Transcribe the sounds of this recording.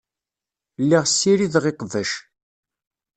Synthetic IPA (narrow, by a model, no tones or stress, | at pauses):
lːiʁsːiɾiðʁeqəðəʃ